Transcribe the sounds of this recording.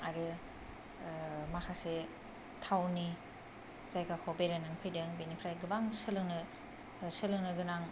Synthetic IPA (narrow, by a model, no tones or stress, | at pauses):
aɾɯ | makʰase | tʰawni | zajɡakʰɔbeɾanaŋpʰɯjdɯŋbenipʰɾajɡɯbaŋsɯlɯŋnɯ | sɯlɯŋnɯɡɯnaŋ